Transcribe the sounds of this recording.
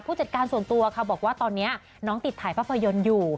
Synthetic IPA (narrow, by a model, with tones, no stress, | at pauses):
pʰuː˥˩t͡ɕa˨˩t̪̚kaː˧nsu˨˩ənt̪u˧ɐkʰa˥˩bɔː˨˩k̚waː˥˩t̪ɔː˧nːi˦˥ɐ | nɔː˦˥ŋt̪i˨˩t̪ʰːaː˨˩˦jpʰaː˥˩pʰːa˧jo˧njuː˨˩